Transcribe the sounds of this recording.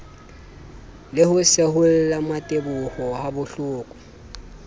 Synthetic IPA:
lɪhʊsehʊl̩lamatʼebʊhɔhabʊɬʊːkʼɔ̥

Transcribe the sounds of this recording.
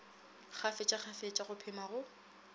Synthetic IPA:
χafɪt͡ʃʼaχafet͡ʃʼaχʊpʰɪmaɣʊ

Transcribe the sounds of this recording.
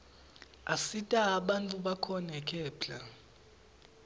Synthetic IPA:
asitʼaːɓantʼuɓakʰɔnɛkʰʼɛːpɬa

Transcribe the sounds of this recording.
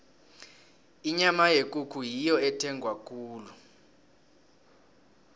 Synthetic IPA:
iɲamajek̬ʼukʰujijɔɛtʰɛŋɡʱwak̬ʰʼuːlu

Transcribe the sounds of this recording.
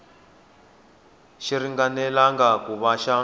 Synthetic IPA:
ʃiɾiŋɡanɛlaŋɡakuβaʃa

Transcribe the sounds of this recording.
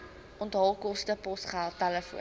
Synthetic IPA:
ʔɔntɦɔlˠkɔstəpɔsχælˠtæləfṵə

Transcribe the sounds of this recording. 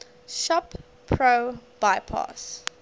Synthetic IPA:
ʃɔpʰː | ɹob̥aɪpʰɑ̰s

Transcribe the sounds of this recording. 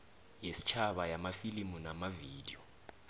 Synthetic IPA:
jesi̥t͡ʃʰaɓajamafilimunamaviːd̥ijɔ

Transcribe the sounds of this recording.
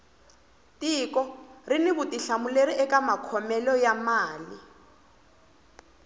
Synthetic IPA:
tʼiːkʼɔrinɪbutʼiɬamuleɾiʔɛkʼamakʰɔmɛlɔjamaːli

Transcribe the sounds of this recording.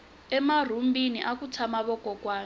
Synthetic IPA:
ɛmar̤umbiniʔakut͡sʰamaβɔkʼɔkʼwaː

